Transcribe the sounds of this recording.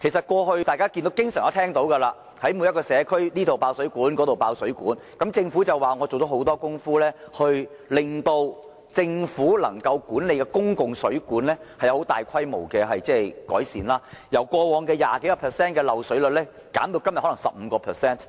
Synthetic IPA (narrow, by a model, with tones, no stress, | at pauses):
kʰe˨˩js̬ɐ˨t̚kʷɔː˧ɦɵ˧ɥt̪aː˨jkaː˥ki˧nt̪o˨˥wkɪ˥ŋsœː˨˩ŋjɔ˨˥t̪ʰɛː˥ŋt̪o˨˥wkɐ˧laː˧ | hɐ˨˥jmu˨˧jɐ˥tkɔː˧sɛː˨˧kʰɵ˥ɥniː˥t̪ʰo˨wpaː˧wsɵ˨˥kuː˨˥nkɔː˨˥t̪o˨wpaː˧wsɵ˨˥ɥkuː˨˥nkɐ˨˥mt͡sɪ˧ŋfuː˨˥t͡sɐ˨waː˨ŋɔː˨˧t͡so˨wt̪o˨˧˥ho˨˥wt̪ɔː˥kʊ˥ŋfuː˥lɛː˥hɵ˧ɥ | lɪ˨ŋt̪o˧w | t͡sɪ˧ŋfuː˨˥lɐ̰˨˩ŋkɐ˧wkuː˨˥nle˨˧jkɛː˧kʊ˥ŋkʊ˨ŋsɵ˨˥ɥkuː˨˥nlɛː˥hɐ˨jɐ˨˧hwt̪aː˨˩jkʷʰɐ˥jmo̰˨˩wkɛ˧ɦɐ˨jt͡sɛː˥˩kɔ̰ː˨˥jsḭː˨nlaː˥jɐ˨˩wkʷɔː˧wɔː˧ŋkɛː˧jaː˨ke˨˥jka˧pʰɛː˨˩sɛː˥nkɛː˧lɐ˨wsɵ˨˥ɥlɵ˨t̚lɛː˥ | kaː˨˥mt̪o˧wkɐ˥mjhlɐ˨˩ŋsɐ˨p̚m̩˨˧kɔː˧pʰɛː˨˩sɛː˥n